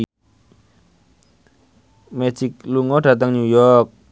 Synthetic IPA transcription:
mɛ̥sik̚luŋɔɖ̥ä̤t̪aŋɲujɔk̚

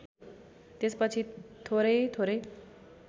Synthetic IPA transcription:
t̪et͡spət͡ɕʰit̪ʰoɾet̪ʰoɾe

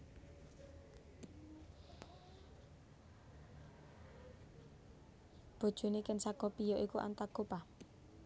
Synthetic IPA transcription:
b̥o̤d̥ʒ̥o̤nekɪnsakopijɔʔikuʔa̰nt̪aɡopa

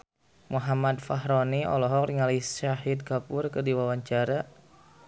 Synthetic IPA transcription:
muɦamad̪faɦɾɔniʔɔ̰lɔɦɔkriŋalisaɦid̪̚kapʊrkədiwawaɲt͡ʃaɾa

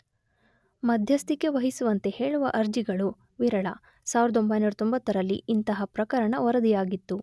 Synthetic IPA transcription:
mɐd̪ʱjɐst̪ikːe̞ʋɐɦisuʋɐnt̪e̞he̞ːɭuʋɐʔɐɾd͡ʒiɡɐɭu | ʋiɾɐɭɐ̰ | saːʋiɾɐd̪ombʱɐjnuːɾut̪o̞mbɐt̪ːɐɾɐlːḭʔint̪ɐɦɐpɾɐkɐɾɐɳɐʋɔɾɐd̪ijaːɡit̪ːu

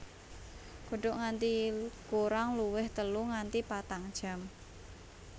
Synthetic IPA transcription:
ɡ̥o̤ɖɔʔŋant̪ikuɾaŋluwɪht̪əluŋant̪ipat̪aŋd̥ʒ̥a̤m

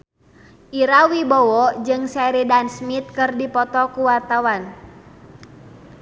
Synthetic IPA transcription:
ʔiɾawibɔwɔd͡ʒɨŋsɛɾidansmit̪̚kɨrdipɔt̪ɔkuwart̪awan

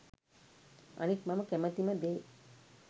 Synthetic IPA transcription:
a̰nikmaməkæmət̪iməd̪eː

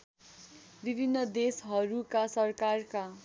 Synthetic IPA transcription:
bibʱinːʌd̪esɦʌɾukasʌrkarka

